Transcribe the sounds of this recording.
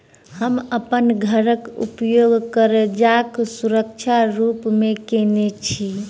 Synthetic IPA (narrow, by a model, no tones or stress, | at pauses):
həməpənɡʱəɾəkṵpjoɡkəɾed͡ʒaksuɾək̚t͡ʃʰaɾupmekenet͡ʃʰi